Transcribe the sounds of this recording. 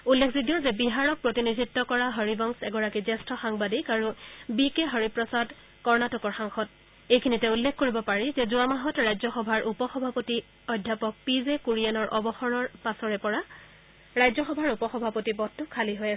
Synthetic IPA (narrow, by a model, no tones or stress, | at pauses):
ulːekʰzidijɔzɛbiɦaɹɔk̚pɹotinidʱitːɔkɔɹaɦɔɹibɔŋsɛɡɔɹakizɛstɹɔxaŋbadikaɹubikeɦɔɹipɹɔsad | kɔɹnatɔkɔɹxaŋxɔt | ejkʰinitɛulːekʰkoɹibɔpaɹɛzɛzʊamaɦɔtɹajzɔxɔbʱaɹʔupɔxɔbʱapoti | ɔdʱːapɔk̚pizekuɹianɔɹʔɔbɔxɔɹɔɹpasɔɹɛpɔɹa | ɹajzɔxɔbʱaɹupɔxɔbʱapotibɔtːʊkʰːaliɦojasɛ